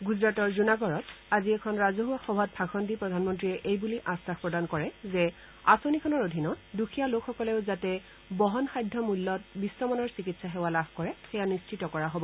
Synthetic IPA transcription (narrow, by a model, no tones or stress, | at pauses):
ɡuzɹatɔɹzunaɡɔɹɔtaziɛkʰɔnɹazoɦuaxɔbʱɔt̚pʰakʰɔndipɹɔdʱanmɔntɹiɛʔejbuliʔasakpɹɔdankɔɹɛzɛ | asonikʰɔnɔɹodʱinɔtdukʰijalokʰxɔkɔlɛʊzatɛ | bɔɦɔnxajdʱːɔmulːɔt̚bisːɔmɔnɔɹsikitsaɦɛwalabʱkɔɹɛxɛjanist͡ʃitɔkɔɹaɦobɔ